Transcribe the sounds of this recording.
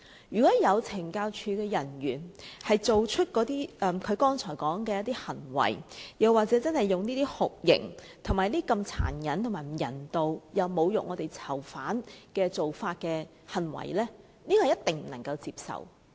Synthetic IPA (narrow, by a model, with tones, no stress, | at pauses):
jyː˨˩kɔː˨˥jɐ˨˧wt͡sʰɪ˨˩ŋkaː˧wt͡ʃʰyː˨˧kɛː˧jɐ˨˩nɥyː˨˩nhɐ˨jt͡so˨wt͡ʃʰɵ˥t̚kɔː˨˥t̪iː˥˨kʰɵ˨˧ɥkɔː˥ŋt͡sʰɔː˨˩jkɔː˨˥ŋkɛː˧jɐ˥t̪iː˥hɐ˨˩nwɐ̰˨˩jjɐ˨waː˨k̚t͡sɛː˨˥t͡sɐ˥nhɐ˨jːʊ˨ŋniː˥t̪iː˥hʊ˨k̚jɪ̰˨˩ŋ | t̪ʰʊ˨˩ŋmaː˨jliː˥kɐ˧mt͡sʰa̰ː˨˩njɐ˨˥nt̪ʰʊ˨˩maː˨˩m̩˨˩jɐ̰˨˩nt̪o˨˧wjɐ˨wmo˨˧wjʊ̰˨k̚ŋɔː˨˧t̪e˨jt͡sʰɐ˨˩wfaː˨˥nkɛː˧t͡so˨wfaː˧t̚kɛː˧ | hɐ˨˩nwɐ̰˨˩jlɛː˥ | niː˥kɔː˧˨˩jɐ˥t̪ɪ˨ŋm̩˨˩nɐ˨˩ŋkɐ˧wt͡siː˧p̚sɐ̰˨˩w